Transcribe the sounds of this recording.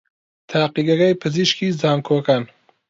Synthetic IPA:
t̪ʰaːqiɡɐɾɐjpʰɨziʃkiːzaːmkʰoːkaːn

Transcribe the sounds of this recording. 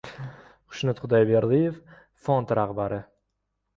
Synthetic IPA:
χʊ̥ʃnɪt̪χʊd̪ajbeɾlˠijef | fɒnt̪ɾaχbaɾɪ

